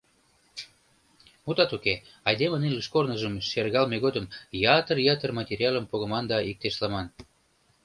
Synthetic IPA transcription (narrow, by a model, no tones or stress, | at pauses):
mut̪ɑt̪uke | ɑjd̪eməniləʃkornəʒəmʃerɣɑlmeɣod̪əmjɑt̪ərjɑt̪ərmɑtʲeɾʲiɑləmpoɣəmɑnd̪ɑik̚t̪eʃlɑmɑn